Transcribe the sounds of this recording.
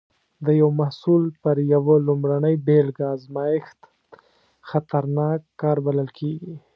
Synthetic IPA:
d̪əjawmahsulpəɾjawəlʊmɾanəjbelɡɑzmɑjɪxt̪ | xat̪aɾnɑkːɑɾbaləlkʰeɡi

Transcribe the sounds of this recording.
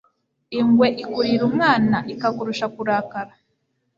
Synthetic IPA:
iŋɡweʔikuɾiɾumŋaːnaʔikakuɾuʃakuɾaːkaɾa

